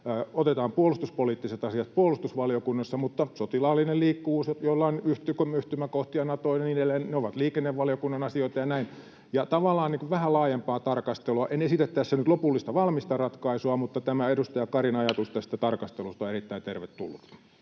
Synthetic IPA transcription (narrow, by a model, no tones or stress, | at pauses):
ot̪et̪ɑːmpuolust̪uspoliːt̪ːiset̪ɑsiɑt̪̚puolust̪usʋɑlijokunːɑsːɑmut̪ːɑsot̪ilɑːlːinelliːkːuʋuːsjojolːɑinyht̪ykomyht̪ymækoht̪iɑinɑt̪oineninelːenneoʋɑt̪liːkenːeʋʋɑlijokunːɑnɑsioit̪ɑjɑnæin | jɑt̪ɑʋɑlːˑɑːnniːkuʋʋæhælɑːjempɑːt̪ɑrkɑst̪eloɑʔenesit̪æt̪t̪æsːænyt̪lopulːist̪ɑʋɑlmist̪ɑrɑt̪kɑisuɑmut̪ːɑt̪æmæedust̪ɑjɑkɑrinɑjɑt̪ust̪ɑsi̥t̪ːæt̪ɑrkɑst̪elust̪ɑerit̪ːæint̪erʋet̪t̪ːṵlːut̪